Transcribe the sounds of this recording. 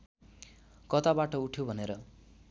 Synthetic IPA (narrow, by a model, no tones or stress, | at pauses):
kʌt̪abaʈʌuʈʰjobʱʌneɾʌ